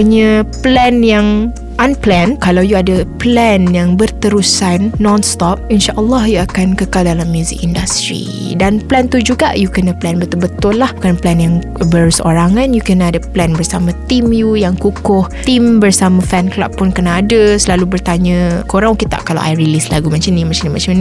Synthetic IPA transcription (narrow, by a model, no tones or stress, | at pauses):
əɲə̃plɛnjaŋ | ʔanplɛnkalawjuadəplɛnjaŋbərt̪əɾusanːɔ̃nst̪ɔp̚inʃaʔəlːɔhjuakankəkaldalamjuzɪ̰k̚indast̪ɾḭ | danplɛnt̪ud͡ʒuɡa̰ʔjukənəplɛnbət̪ʊlbət̪ʊlːahbukanplɛnjaŋ | bərso̰ɾaŋãnjukənadəplɛnbərsamãt̪imjujaŋkukʊht̪imbərsamə̃fɛnkla̰pːʊnkənaːdəsəlalubərt̪aɲə̃koɾaŋukit̪a̰ʔkala̰wʔa̰jɾilisla̰ɡumãnt͡ʃənĩmat͡ʃanĩmã̰t͡ʃamnĩ